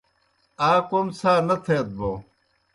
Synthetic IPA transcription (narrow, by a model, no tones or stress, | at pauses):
aːkomsaːnɐt̪ʰeːt̪̚bo